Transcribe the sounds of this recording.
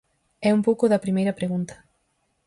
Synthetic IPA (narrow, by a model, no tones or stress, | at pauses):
ɛumpowkʊðɐpɾimejɾɐpɾeɣunt̪ɐ̥